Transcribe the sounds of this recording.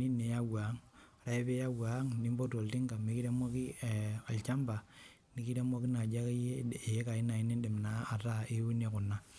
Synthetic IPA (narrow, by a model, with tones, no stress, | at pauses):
ni˦ne˨ja˦wa˨˦ŋ˨ | ɾa˦ɛ˦pe˦ja˦wa˨˦ŋni˦mbo˦to˨lti˦ŋɡa˨mi˦ki˦ɾe˦mɔ˦ki˦˨a˨lt͡ʃa˦mba˨ | ni˦ki˦ɾe˦mɔ˦ki˦na˨d͡ʒa˦ke˦je˦e˨˦ka˨i˦na˨i˦ni˦dɪ˨m˨na˦a˨ta˦e˦u˦ne˨kʊ˨na˦